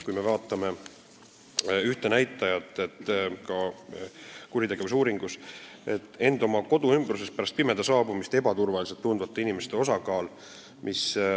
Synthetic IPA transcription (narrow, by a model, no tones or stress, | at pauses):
kujme̞vɑːt̪ːˑɑme̞ | yht̪e̞næjt̪ːˑɑjɑt̪ːˑe̞t̪ːˑkɑ | kuɾʲit̪e̞ɡ̥e̞visuːɾiŋɡ̥us | et̪ˑːe̞nd̪̥o̞mɑko̞d̪uymbruse̞s̚pæɾɑst̪̚pimed̪̥esɑːbumist̪e̞bɑt̪urvɑliset̪ːund̪vɑt̪ːˑe̞inime̞st̪e̞o̞sɑkɑːl | mʔis